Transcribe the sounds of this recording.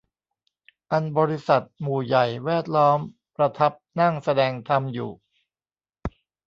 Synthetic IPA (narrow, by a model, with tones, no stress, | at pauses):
ʔa˧nbɔː˧ɾi˦˥sa˨˩t̪̚muː˨˩ja˨˩jwɛː˥˩t̪̚lɔː˦˥m | pɾa˧t̪ʰa˦˥p̚na˥˩ŋsa˧dɛː˧ŋt̪ʰa˧mjṵː˨˩